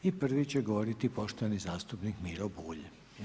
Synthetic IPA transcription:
ipr̩ʋit͡ɕeɡoʋoɾit̪ipo̞ʃt̪enizaːst̪upnikmiɾobuːʎ

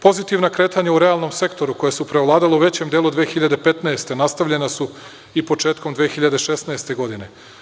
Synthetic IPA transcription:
po̞zit̪iʋnakɾe̞ːt̪aɲauɾe̞alˠno̞mse̞kt̪o̞ɾuko̞jesupɾeoʋlˠaːd̪aleuʋe̞t͡ɕe̞md̪e̞ːlˠud̪ʋeːxiʎad̪e̞pe̞t̪naest̪e̞nast̪aʋʎe̞nasu | ipo̞t͡ʃe̞ːt̪ko̞md̪ʋexiʎad̪eʃesnaest̪e̞ɡo̞d̪ine̞

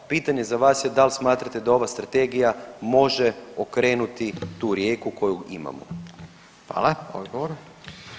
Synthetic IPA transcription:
piːt̪aɲe̞zaʋaːsje̞d̪alsmaːt̪ɾat̪ed̪ao̞ʋast̪ɾat̪e̞ɡijamo̞ʒeokɾe̞ːnut̪it̪uːɾje̞ːkuko̞juima̰mo̰ | xʋa̰ːlao̰d̪ɡoʋoɾ

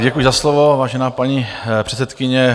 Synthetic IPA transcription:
ɟɛkujɪzaslovovaːʒɛnaːpaɲipr̥ɛt͡sɛt̪kɪɲɛ

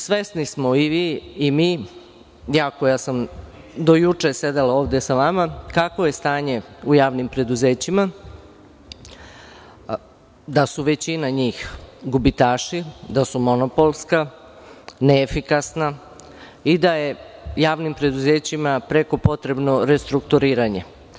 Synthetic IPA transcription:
sʋe̞snismo̞iʋiːmiː | jaːkojasam | d̪o̞jut͡ʂese̞d̪elao̞ːʋd̪e̞saʋamakakʋo̞je̞st̪aːɲe̞ujaːʋnimpɾe̞d̪uzeːt͡ɕima | d̪asuʋe̞t͡ɕinaɲiːxɡubit̪aːʃid̪asumo̞nopo̞lˠska | neːfikasna | id̪aje̞jaːʋnimpɾe̞d̪uze̞ːt͡ɕimapɾe̞ko̞po̞t̪ɾe̞bno̞ɾe̞st̪ɾukt̪uɾiːɾaɲe̞

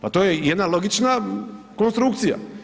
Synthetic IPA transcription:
pat̪ojejed̪nalo̞ɡit͡ʃna | ko̞nst̪ɾukt̪sija̰

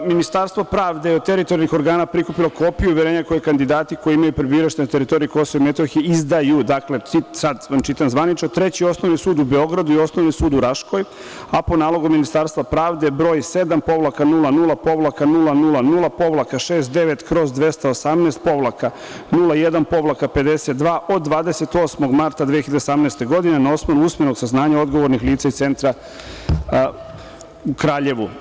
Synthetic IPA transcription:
minist̪aɾst̪ʋopɾaːʋd̪ejeod̪̚t̪eɾit̪oɾjalnixo̞ɾɡaːnapɾikupiloko̞pijuʋjeɾeːɲako̞jekand̪id̪aːt̪iko̞jiimajupɾebiːɾaʃt̪et̪eɾit̪o̞ɾijiko̞soʋoimet̪oxiizd̪ajud̪akle̞isad̪ʋant͡ʃit̪amzʋanit͡ʃnot̪ɾe̞t͡ɕio̞sno̞ʋnisuːd̪ube̞o̞ɡɾad̪uio̞snoʋnisuːd̪uɾaʃko̞j | apo̞naːlˠo̞ɡuminist̪aɾst̪ʋapɾaːʋd̪e̞bɾo̞ːjse̞d̪ampo̞ʋlakanulanulˠapo̞ʋlakanulˠanulˠanulˠapo̞ʋlˠakaʃeːst̪̚d̪e̞ʋe̞t̪kɾo̞zd̪ʋe̞st̪aosamnɛːst̪̚po̞ʋlˠaka | nulˠajed̪anpo̞ʋlˠakape̞d̪e̞se̞t̪̚d̪ʋaːʔo̞d̪̚ːʋaːd̪e̞se̞t̪oːsmo̞ɡmaɾt̪ad̪ʋeijçiʎad̪osamneːst̪e̞ɡo̞d̪inenao̞smanuusmjeno̞ɡsaznaːɲao̞d̪ɡoʋo̞ɾnixliːt̪saist̪e̞nt̪ɾa | ukɾaːʎe̞ʋu

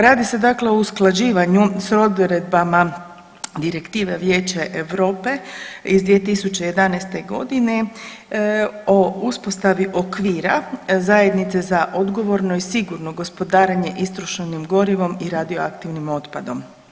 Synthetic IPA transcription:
ɾaːd̪ise̞d̪akle̞o̞usklˠad͡ʑiːʋaɲusɾo̞d̪ɾe̞d̪̚bama | d̪iɾe̞kt̪iːʋeʋje̞ːt͡ɕaʔeʋɾo̞ːpe̞izd̪ʋiet̪isut͡ɕeje̞d̪anajst̪e̞ɡo̞̰d̪ine̞ | o̞uspo̞st̪aʋiʔo̞kʋiːɾazaje̞d̪nit̪sezaʔod̪ɡo̞ʋo̞ɾnoisiɡuɾno̞ɡo̞spo̞d̪aːɾeɲe̞ʔist̪ɾoʃenimɡo̞ɾiʋo̞miɾad̪ioakt̪iʋnimo̞t̪pad̪o̞m

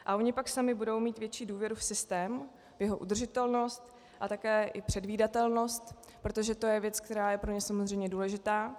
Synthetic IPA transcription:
ʔa̰ʔo̞ɲɪpaksamɪbudo̞wmiːt̪vjɛt͡ʃiːduːvjɛɾufsɪst̪ɛːm | vjɛɦo̞ʔṵd̪r̩ʒɪt̪ɛlno̞st̪ | ʔat̪akɛːʔɪpr̝̥ɛdviːdat̪ɛlno̞st̪ | pɾo̞t̪o̞ʒɛt̪o̞jɛvjɛt͡skt̪ɛɾaːjɛpɾo̞ɲɛsamozrɛjmɲɛduːlɛʒɪt̪aː

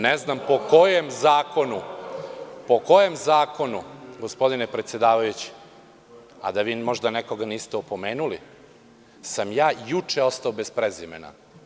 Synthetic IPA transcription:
neznampo̞kojemzaːko̞nu | po̞kojemzaːko̞nuɡo̞spo̞d̪inepɾet̪sje̞d̪aːʋajut͡ɕi̥ | a̰d̪aʋiːmo̞ʒd̪aneko̞ɡaniːst̪eopo̞meːnuli | samjaːjut͡ʂeo̞st̪aobe̞spɾezimḛna̰

